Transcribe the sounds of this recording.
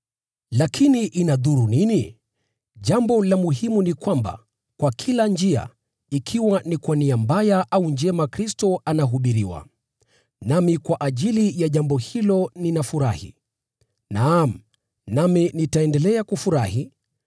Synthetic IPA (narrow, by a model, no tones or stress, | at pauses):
lakʰiniʔinaðuɾunini | ʄambɔlamuɦimunikwamba̰ | kwakʰiland͡ʒia̰ | ikʰiwanikwaniambajaʔauɲd͡ʒɛmakɾistɔanaɦuɓiɾiwa̰ | namikwaʔaʄilijaʄambɔhilɔninafuɾa̰hḭ | nam̩ | naminitaɛndɛlɛakufuɾahi